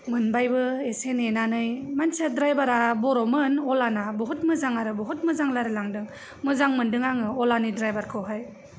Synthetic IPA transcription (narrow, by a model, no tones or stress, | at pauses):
mɯnbajbɯesenenanɯjmansadɾajbaɾabɔɾɔmɯnɔlanabɔɦut̚mɯzaŋaɾɯbɔɦut̚mɯzaŋlaɾɯlaŋdɯŋ | mɯzaŋmɯndɯŋaŋɯɔlanidɾajbaɾkʰɯɦaj